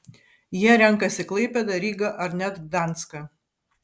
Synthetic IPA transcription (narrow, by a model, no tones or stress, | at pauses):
jiɛɾʲɛŋˑkɐsʲɪklˠɐɪpʲɛd̪ɐɾʲiːɡɐʔɐɾnʲɛt̪d̪ɑˑnt̪skɐ